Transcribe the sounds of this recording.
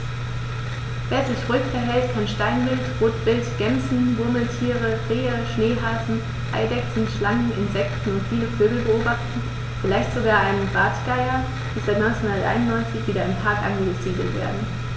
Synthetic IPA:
veːɐzɪçʁuʏɪçfɛɐɦɛltkʰanʃtaɪnvɪltʁ̥oːtb̥ɪltɡ̥ɛmzn̩vʊɐml̩tʰiːʁ̞ə̥ʁeːəʃneːɦaːfn̩ | ʔa̰ɪdɛksn̩ʃlaŋŋ̩ʔɪnzɛktn̩ʊntfiːləføːɡl̩bəoːbaχtn̩ | fɪlaɪçtz̥oɡaːʔaɪnənbaɐtɡ̥aɪɐ | d̥iːzaɪtnɔnt͡senhʊndɐtʔa̰ɪnʊnːɔʏnt͡sɪçv̥iːɾɐɪmpʰaɐkʔa̰nɡəəziːɡl̩vḛːɐdn̩

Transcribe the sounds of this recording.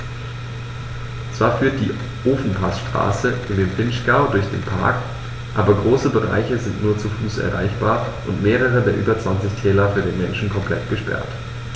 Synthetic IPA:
t͡sv̥aːɐfyːɐt̚d̥ḭː | ʔoːfn̩pʰasʃtʁ̥a̰ːsəʔɪndeːmfɪnʃɡ̥aʊdʊɐçd̥ḛːnpʰa̰ɐk | ʔaːbɐɡʁoːsəbəʁa̰ɪçəzɪntnuːɐt͡sufuːsʔɛ̰ɐʁa̰ɪçb̥aːɐʔʊntmeːʁ̞əʁ̞ədeːɐʔy̰ːbɐt͡sv̥ant͡sɪçtʰɛːlɐfyːɐdeːnmɛnʃn̩kʰɔmpʰl̥ɛ̰tɡ̥əʃpɛ̰ɐt

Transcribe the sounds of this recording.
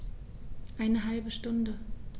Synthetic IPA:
ʔaɪnəɦalbəʃtʊndə

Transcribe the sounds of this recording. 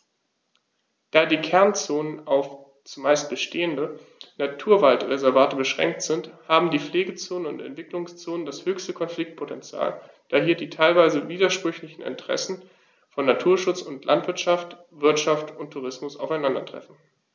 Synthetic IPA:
d̥aːdiːkʰɛɐnt͡soːnənaʊf | t͡sumaɪst̚b̥əʃtʰeːəndə | natʰuːɐvaltʁezɛɐvaːtəbəʃʁ̥ɛ̰ŋk̚tz̥ɪnthaːbm̩diːfleːɡət͡soːnənʊ̰ntɛ̰ntv̥ɪklʊŋst͡soːnəndashøːçstəkʰɔnflɪk̚t̚pʰotʰɛnt͡sja̰ːl | d̥aːɦiːɐdiːtʰaɪlvaɪzəviːdɐʃpʁ̥ʏçlɪçn̩ɪ̰ntəʁ̥ɛ̰sn̩ | fɔnːatʰuːɐʃʊt͡sʊntlʔa̰ntv̥ɪɐtʃaft | v̥ɪɐtʃaftʊntʰːuʁɪsmʊsʔa̰ʊfaɪnandɐtʁ̥ɛ̰fn̩

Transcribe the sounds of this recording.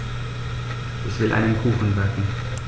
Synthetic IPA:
ʔɛsvɪlʔa̰ɪnənkʰuːxn̩vɛtn̩

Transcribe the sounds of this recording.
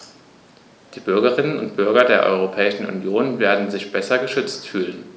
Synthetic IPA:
d̥iːbʏɐɡɐʁ̞ɪnənʊ̰ntb̥ʏɐɡɐdeːɐʔɔ̰ʏʁ̞opʰɛːɪʃn̩ṵnjoːnveːɐdn̩zɪçb̥ɛsɐɡəʃʏt͡stfyːlən

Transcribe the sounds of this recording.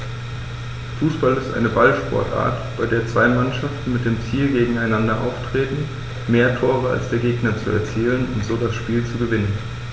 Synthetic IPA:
fuːsb̥alɪstʔa̰ɪnəbalʃpɔ̰ɐtʔa̰ːɐtb̥aɪdeːɐt͡sv̥aɪmanʃaftn̩mɪt̚d̥eːmt͡siːlɡeːɡŋ̩aɪnandɐʔa̰ʊftʁ̥eːtn̩ | meːɐtʰoːʁ̞əa̰lsd̥eːɐɡeːɡnɐt͡suɛ̰ɐt͡siːlənʊ̰ntz̥oːdasʃpiːlt͡suɡəvɪnən

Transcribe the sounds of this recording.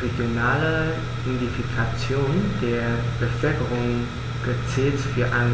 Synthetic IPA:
ʁeɡ̥jonaːlə | dɛndifikʰat͡sjoːnd̥eːɐb̥əfœlkəʁʊŋ | ɡ̥ət͡sɛːlsfyːɐʔan

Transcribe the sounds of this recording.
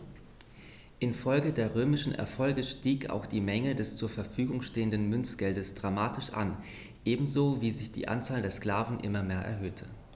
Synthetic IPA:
ʔɪnfɔlɡədeːɐʁøːmɪʃn̩ʔɛ̰ɐfɔlɡəʃtiːka̰ʊxd̥iːmɛŋədɛst͡suːɐfɛɐfyːɡʊŋʃteːəndən̩mʏnt͡sɡ̥ɛldəsd̥ʁamaːtʰɪʃʔa̰n | ʔeːbm̩zoːviːzɪçd̥ḭːʔa̰nt͡saːldeːɐskl̥aːvn̩ʔɪ̰mɐmeːɐʔɛ̰ɐɦøːtʰə

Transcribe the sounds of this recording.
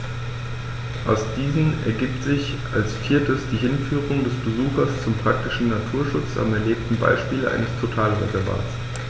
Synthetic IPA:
ʔa̰ʊsd̥iːzn̩ɛ̰ɐɡiːp̚tz̥ɪç | ʔa̰lsfiːɐtəsd̥iːɦɪnfyːʁʊŋdɛsb̥əzuːxɐst͡sʊmpʁ̥ak̚tɪʃn̩natʰuːɐʃʊt͡sa̰mɛɐleːp̚tn̩ba̰ɪʃpiːləʔa̰ɪnəstʰotʰaːlʁɛ̰zɛɐva̰ːtt͡s

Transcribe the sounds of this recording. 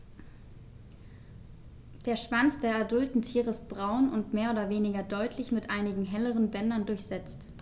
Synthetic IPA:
d̥eːɐʃv̥ant͡sd̥eːɐaɐdʊltn̩tʰiːʁəɪst̚b̥ʁaʊnʊntmeːɐoːdɐveːnɪɡɐdɔʏtʰlɪçmɪtʔaɪnɪɡŋ̩ɦɛləʁənbɛnɐndʊɐçz̥ɛt͡st

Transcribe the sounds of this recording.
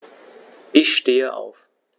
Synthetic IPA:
ʔɪçʃteːəʔa̰ʊf

